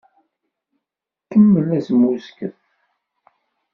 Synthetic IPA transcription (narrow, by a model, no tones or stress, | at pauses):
kəmːəlæzmuskəθ